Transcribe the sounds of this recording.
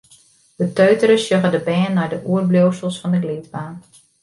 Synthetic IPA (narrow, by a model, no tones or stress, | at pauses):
d̥ətøɥtəɾəsjøɣədəbɛːnːɔjdəʔuərblowsəlˠsfɔndəɡliːtbaːn